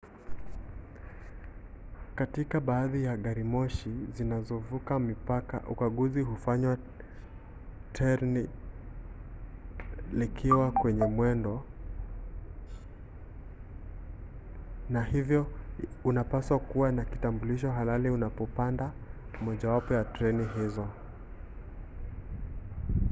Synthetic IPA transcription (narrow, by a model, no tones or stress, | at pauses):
katikaɓaːðijaɠaɾimɔʃizinazɔvukamipaka̰ʔukaɠuziɦufaɲwa | tʰɛɾni | likʰiwakwɛɲɛmwɛndɔ | nahivjɔunapaswakuwanakitambuliʃ̬ɔɦalaliunapɔpanda | mɔʄawapɔjatɾɛniɦizɔ